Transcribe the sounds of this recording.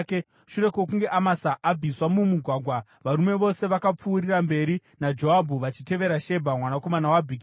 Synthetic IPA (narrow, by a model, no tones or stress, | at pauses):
k | ʃure̞kwokuŋɡe̞ʔamasaʔːb͡viswamumuɡʱwaɡʱwa | ʋaɾume̞ʋo̞se̞ʋakap͡fuːɾirambe̞ɾinad͡ʒo̞abʱuʋat͡ʃite̞ʋe̞ɾaʃe̞bʱamwanako̞manawabʱiɡi